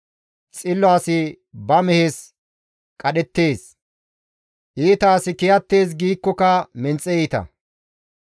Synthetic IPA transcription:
t͡sʼɪlːɔaːsɪ | bɐmɛheːs | kʼɐɗɛt̪ːe̞ːs | ʔiːt̪aːsɪkɪjɐt̪ːe̞ːs̬ɡiːkːɔkɐmɛnt͡sʼːɛɛjt̪ɐ̰

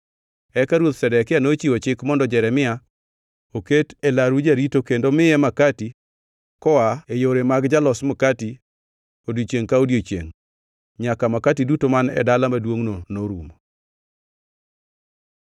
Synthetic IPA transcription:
ɛkaɾwot̪sɛdɛkɪanot͡ʃiot͡ʃɪkmɔndɔd͡ʒɛɾɛmɪa | oketelaɾud͡ʒaɾitokendomɪjɛmakati | kɔaejoɾemaɡd͡ʒalɔsmokati | odjot͡ʃjeŋkaodjot͡ʃḛŋ | ɲakamakatidutomanɛ̰dalamadwoŋnonoɾum

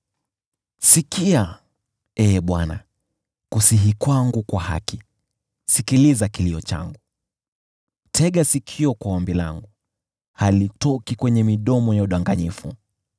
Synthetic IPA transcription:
sikia | ɛɓwana̰ | kusiɦikwaŋɡukwaha̰ki | sikilizakiliɔt͡ʃa̰ŋɡu | tʰɛɠasikʰiɔkwawambila̰ŋɡu | halitɔkikwɛɲɛmiɗɔmɔjauɗaŋɡaɲifu

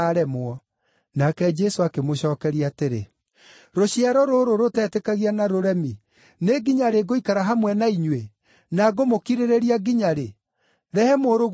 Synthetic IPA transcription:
aɾɛmoɔ | nakɛd͡ʒɛsoakemoɕɔːkɛɾiateɾḛ | ɾoɕiaɾɔɾoɾoɾotɛtɛkaɣianaɾoɾɛmi | neɡiɲaɾeɡoikaɾaɦamwɛnaiɲwe | naɡomokiɾeɾeɾiaɡiɲaɾe | ɾɛhɛmoɾoɣ

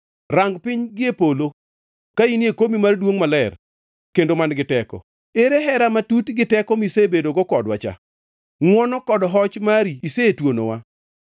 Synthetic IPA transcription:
raŋɡpɪɲɡɪepolo | kainjekomimardwoŋmalɛr | kendomanɡɪtɛkɔ̰ | eɾeɦɛɾamatutɡɪtɛkɔmisebedoɡɔkɔdwa̰t͡ʃa̰ | ŋwɔnɔkɔdɔɦɔt͡ʃmaɾiːsetwono̰wa

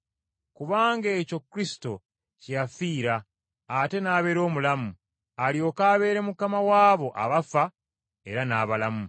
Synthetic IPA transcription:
kuβaːŋɡeːco̞kːuɾisi̥to̞ | cijafiːɾaː | te̞naːβe̞ɾo̞ːmulamu | aljo̞ːkaːβe̞ːɾe̞mukamawaːβo̞ʔa̰βafa | e̞ɾanaːβalamu

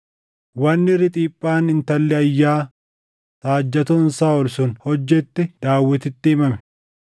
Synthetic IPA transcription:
wɐnːɪrːɪt̪ʼiːpʼːaːnɪnt̪ɐlːɛɐjːaː | t̪aːd͡ʒːɐt̪ʊnsaːɔlsʊnhɔd͡ʒːɛt̪ːɪd̪aːwːɛt̪ɪt̪ːɪɪmɐmɛ̥

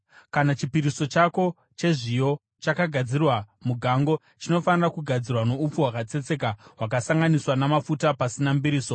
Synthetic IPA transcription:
kanat͡ʃipiɾiso̞t͡ʃako̞ | t͡ʃe̞ʐijo̞ | t͡ʃakaɡʱad͡zirwamuɡʱaŋɡo̞ | t͡ʃino̞fanirakuɡʱad͡zirwano̞up͡fuɦwakat͡se̞t͡se̞kaɦwak̬asaŋɡaniswanamafutapasinambiɾiːso̞

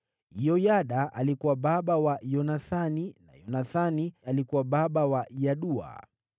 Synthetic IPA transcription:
jɔjaɗaalikuwaɓaɓawajɔnaθanina̰jɔnaθanialikuwaɓaɓawajaɗua̰

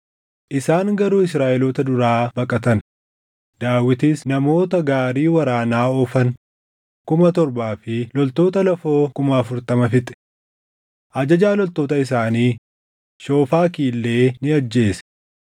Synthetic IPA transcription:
ʔɪsaːŋɡɐɾuːɪsɾaːʔɛloːt̪ɐd̪ʊɾaːbɐkʼɐt̪ɐn | d̪̥aːwɪt̪isnɐmo̞ːt̪ɐɡaːɾiːwɐɾaːnaːɔfɐn | kʊmɐt̪ɔɾbaːfɪlɔlt̪o̞ːt̪ɐlɐfo̞ːkʊmɐːfʊɾt̪ɐmɐfɪt̪ʼɛ̥ | ʔɐd͡ʒɐd͡ʒaːlɔlt̪o̞ːt̪ɐɪs̬aːniː | ʃo̞ːfaːkiːlːe̞ːnɪɐd͡ʒːe̞ːsɛ̥

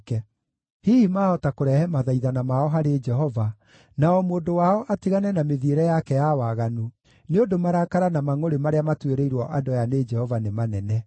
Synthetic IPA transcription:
kɛ | hiːhimaːɔtakoɾɛhɛmaðaiðanamaɔɦaɾed͡ʒɛɦɔva | naɔmoːndowaɔʔatiɣanɛnameðieɾɛjakɛjawaɣanu | neodomaɾakaɾanamaŋoɾemaɾeamatweɾeiɾwɔʔadɔjaned͡ʒɛhɔvanemanɛnɛ

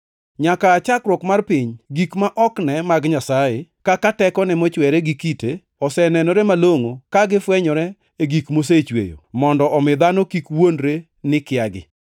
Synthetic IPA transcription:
ɲakaːt͡ʃakɾwɔkmarpɪɲɡikmaʔɔknɛmaɡɲasajekakatɛkɔnɛmɔt͡ʃwɛɾeɡɪkite | ɔsɛnɛnɔɾɛmaloŋokaɡɪfwɛɲɔɾɛ | eɡikmos̬et͡ʃwḛjo̰mɔndɔʔɔmɪd̪anokikwondɾe | nɪkɪaɡɪ̰

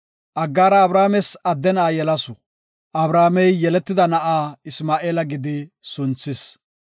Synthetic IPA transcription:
ʔɐɡːaːɾɐːbɾaːmɛsɐd̪ːɛnaːjɛlɐsʊ | ʔɐbɾaːmɛjːɛlɛt̪ːɪd̪ɐnɐʔaːɪsmaːʔeːlɐɡɪd̪ɪsʊnt͡sːɪs

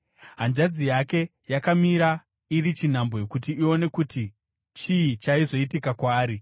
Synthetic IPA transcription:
ɦand͡ʒad͡zijake̞jakamiɾa | iɾit͡ʃin̤ambo̞ekutiio̞ne̞kuti | t͡ʃiit͡ʃaizo̞itikakwaːɾi

